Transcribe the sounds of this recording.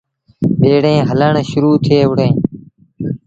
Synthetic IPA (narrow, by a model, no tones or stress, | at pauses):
ɓeːɽẽːɦələɳʃʊɾuːt̪ʰɪeːʊɽẽː